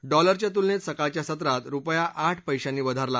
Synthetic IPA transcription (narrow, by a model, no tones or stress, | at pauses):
ɖɔləɾt͡ɕjat̪ulnet̪səkat͡ɕjasət̪̬ɾat̪ɾupjaʔaʈʰpəjɕãnːiːʋəd̪ʱaɾla